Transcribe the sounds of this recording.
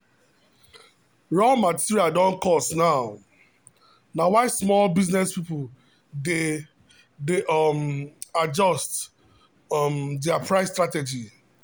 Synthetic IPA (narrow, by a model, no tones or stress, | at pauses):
ɹɔlmatiɹiadɔ̃nkɔstnaʊ | nawaɪsmɔlbiznɛspipʊ | de | demad͡ʒɔst | mdɛapɹaɪstɹated͡ʒi